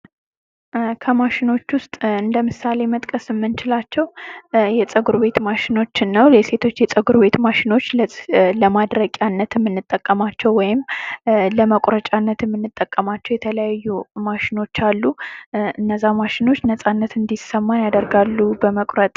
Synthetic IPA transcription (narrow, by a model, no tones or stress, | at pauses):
kʰəmaʃɪno̞t͡ʃːwʊst̪ʼɨnd̪əmɨsale̞mət̪ʼkʼəsɨmːɨnt͡ʃɪlat͡ʃːɛwjɛt͡sʼəɡuɾbe̞t̪maʃɪno̞t͡ʃːɪnːəwlese̞t̪ʰo̞t͡ʃːjɛt͡sʼəɡuɾbe̞t̪maʃɪno̞t͡ʃːlləmad̪ɾəkʼjanːət̪ɨmːɨnːɨt̪ʼːəkʼːəmat͡ʃːɛwwːɔjɪmləməkʷʼɾət͡ʃʼanːət̪ɨmːɨnːɨt̪ʼːəkʼːəmat͡ʃːɛwjɛt̪ʰələjajːumaʃɪno̞t͡ʃːalːuɨnːəzːamaʃɪno̞t͡ʃːnəsʼanːət̪ɨnd̪isəmːanjad̪əɾɡalːubəməkʼɾət̪ʼ